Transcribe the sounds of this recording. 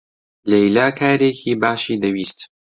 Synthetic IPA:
lejlaːkʰaːɾecʰiːbaːʃiːd̪ɐwiːst̪

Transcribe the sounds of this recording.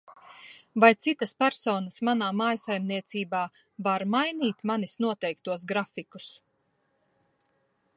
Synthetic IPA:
vajt̪sit̪ɐspæɾsɔːnɐsmanaːmaːjsajmniɛt̪siːbaː | vaɾmajniːt̪manisnuɔt̪ɛjkt̪uɔs̬ɡɾafiku̥s

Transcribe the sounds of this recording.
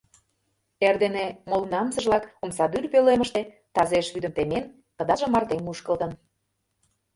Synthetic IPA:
erd̪enemolnɑmsə̆ʒlɑkomsɑd̪yrpølemə̆ʃt̪e | t̪ɑzeʃβyd̪ə̆mt̪emen | kə̆d̪ɑʒə̆mɑrt̪emuʃkə̆lt̪ə̆n

